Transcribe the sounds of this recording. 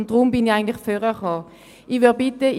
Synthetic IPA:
nd̥ʁʊmbɪniaɪɡntlɪχføʁəχɔː | iʋebɪtə

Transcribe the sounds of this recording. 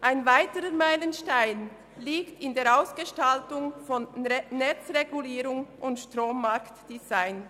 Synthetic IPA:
ʔaɪnvaɪtəɾəmaɪlənʃtaɪn | liːktɪndeːɐɾaʊsɡ̥əʃtaltʊŋfɔnːɛt͡sʁeɡuliːɾʊŋʔʊntʃtʁoːmːaɾktd̥izaɪn

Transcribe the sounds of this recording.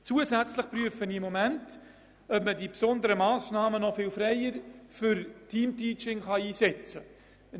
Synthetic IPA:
t͡suːəzæt͡sləχpɾryəfənɪmːɔmænt | œpmədipsɔndəɾəmɑːsnɑːmənɔfɪːlfɾɛɪəɾfʏɾtʰiːmtiːt͡ʃɪŋχɑiːsɛt͡sə

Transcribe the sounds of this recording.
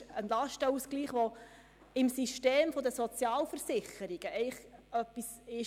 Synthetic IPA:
ənlɑʃtəuskliːχʋo | ɪmsiʃteːmfod̪əsɔt͡sjɑːlfəɾsɪχəɾiɡ̥əʔɛɪχœpːis | ɪʃ

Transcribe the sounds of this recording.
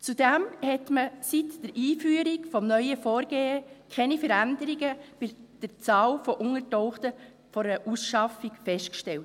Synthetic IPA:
t͡sud̥æmhɛtməsitd̥əɾʔiːfyːəɾikfɔmnœʏəfɔːɾɡ̥eːəkʰɛnifəɾænd̪əɾiɡəb̥ɪd̥əɾt͡sɑːlfɔʔʊŋəɾtɔʊχtə | fɔɾəʔusʃɑfikfɛʃtkʃtɛlt

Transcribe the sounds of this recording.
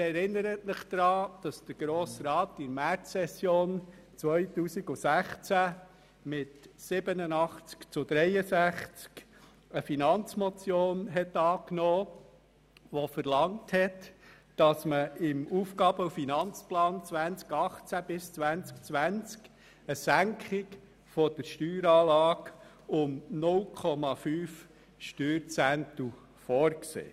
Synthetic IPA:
ɛɾɪnːəɾətməχd̪̥ɾɑːd̥ɑsd̪̥əɡ̥ɾoːsɾɑːtɪɾmæɾɛsjoːn | t͡sʋœjtuːsiɡusæχt͡sæ | mɪtsɪbənənɑχt͡skt͡sʊd̥̪ɾɛjəsæχt͡sk | əfinɑnt͡smɔt͡sjoːnɦɛtɑːknɔː | ʋɔfəɾlɑŋthɛt | d̥ɑsməɪmuːfkɑb̥əufinɑnt͡splɑːnt͡sʋænt͡skɑχt͡sæb̥ɪst͡sʋænt͡skt͡sʋænt͡sk | əsæŋkχɪk | fɔd̥əɾʃtyːɾɑːlɑːɡ | ʊmnʊlkʰɔmɑfyːf | ʃtyːɾt͡sæntu | fɔɾksḛː

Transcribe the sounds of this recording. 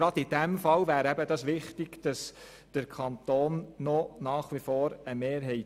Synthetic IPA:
ɾɑdɪd̥æmfɑwvæːɾɛbəd̥ɑsʋɪχtɪɡ̥d̥ɑs | d̥əɾkʰɑnt̪oːnːɔnɑːχʋifɔːɾəmeːɾɦɛɪt

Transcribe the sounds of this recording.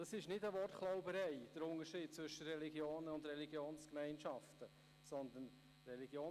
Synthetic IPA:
d̥ɑsɪʃnɪtəʋɔrtklaʊbəɾɛɪd̥əɾʊŋəɾʃiːd̚t͡svʏʃəɾɛliɡjoːnəʊndɾɛliɡjoːnskmɛɪnʃɑftə | sɔnd̪ən | rɛliɡjoː

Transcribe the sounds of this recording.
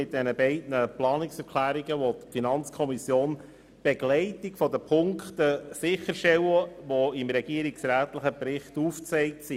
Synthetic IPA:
ɪt̚d̥ɛnəbɛɪdnəplɑːnɪksɛɾkʰlæːɾiɡəʋɔt̪finɑnt͡skʰɔmisjoːn | b̥eɡlɛɪtikfɔdəpʰʊŋktəsɪχːəɾʃtɛwəʋɔɪmɾɛɡiːəɾiksɾæːtləχəpɾɪχtuːft͡sɛɪk̚tsi

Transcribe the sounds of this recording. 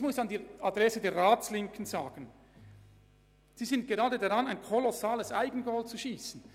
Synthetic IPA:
mʊsandiːadʁɛsədeːɐʁaːt͡slɪŋkʰən̩zaːɡ̥ən̩ | z̥iːzɪnt̚ɡ̥eʁaːdədaʁɑnaɪnkʰɔlɔsaːləsʔaɪɡən̩ɡɔltt͡suʃiːsn̩

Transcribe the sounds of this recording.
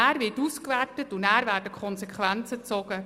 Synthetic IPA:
æːɾʋɪtuskʋærtətʊnæːɾvæːɾdəkʰχɔnsɛkχʋænt͡sət͡sɔɡ̥ə

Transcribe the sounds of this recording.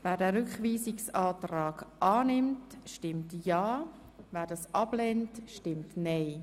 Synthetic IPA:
vɛːdɛːɾʏkχʋiːsɪksɑːtraːɡʔɑːnɪmtʃtɪmtjɑː | vɛːɾdɑːsʔɑb̥lɛntʃtɪmtneɪ

